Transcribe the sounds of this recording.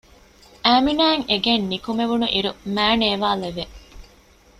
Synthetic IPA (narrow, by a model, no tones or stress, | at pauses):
æːminæːŋeɡenːikumeʋunuʔiɾumæːneːʋaːleʋe